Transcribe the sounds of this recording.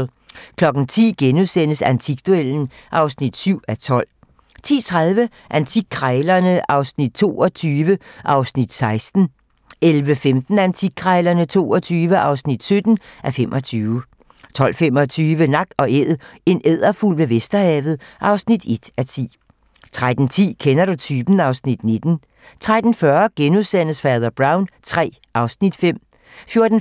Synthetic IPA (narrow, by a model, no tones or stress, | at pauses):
kʰlɒ̽ɡ̥n̩t͡sʰḭːɡ̥enuðˠsen̰əsænt͡sʰiɡ̥d̥ueln̩ʔɑ̈ʊsnid̥syʊ̰æt͡sʰɒ̽l̰ | t͡sʰḭːt͡sʰʁað̞ˠʋə | ʔænt͡sʰiɡ̥̚kʰʁɑɪlɐnəʔɑ̈ʊsnid̥̚t͡sʰo̝̰ːɒt͡sʰyːʋəʔɑ̈ʊsnid̥sɑ̈ɪsd̥n̩ | elʋəfemd̥n̩ænt͡sʰiɡ̥̚kʰʁɑɪlɐnət͡sʰo̝̰ːɒt͡sʰyːʋəʔɑ̈ʊsnid̥sød̥n̩ʔæfemʔɒ̽t͡sʰyːʊ | t͡sʰɒ̽l̰femɒ̽t͡sʰyːʋənɑ̈ɡ̥̚ɒ̽eð̰ˠe̝neð̰ˠɐful̰ʋe̝ʋesd̥ɐhɛ̰ːʋð̞̩ˠʔɑ̈ʊsnid̥e̝d̥æt͡sʰḭː | t͡sʰʁad̥n̩t͡sʰḭːkʰenɐɾut͡sʰyːb̥n̩ɑ̈ʊsnid̥ne̝d̥n̩ | t͡sʰʁad̥n̩fɶɐɡ̥enuðˠsæn̰əsfæɐðˠɐb̥ʁɑ̈ʊnt͡sʰʁɛ̰ː | ʔɑ̈ʊsnid̥fem̰ | fjo̝ɐd̥n̩